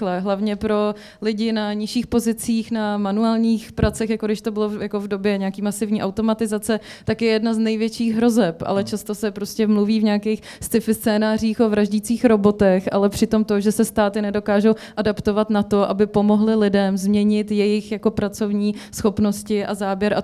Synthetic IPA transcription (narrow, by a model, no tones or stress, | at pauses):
lɛɦlavɲɛpɾo̞ | lɪɟɪnaɲɪʃiːxpo̞zɪt͡siːxnamanuaːlɲiːxpɾat͡sɛxjakoɡdɪʃt̪obɪlojako̞vdobjɛɲɛakiːmasɪvɲiːʔawt̪o̞mat̪ɪzat͡sɛt̪akjɛjɛdnaznɛjvjɛt͡ʃiːɣɦɾo̞zɛpʔa̰lɛt͡ʃast̪osɛpɾoscɛmluviːvɲɛakɛjx | st̪ɪfɪst͡sɛːnaːr̝iːxʔovɾaʒɟit͡siːxɾo̞bo̞t̪ɛxʔa̰lɛpr̝̥ɪt̪o̞mt̪oʒɛsɛst̪aːt̪ɪnɛdo̞kaːʒowʔadapt̪ovat̪nat̪o̞ʔabɪpo̞mo̞ɦlɪlɪdɛmzmɲɛɲɪt̪jɛjɪxjako̞pɾat͡so̞vɲiːsxo̞pno̞scɪʔazaːbjɛɾʔa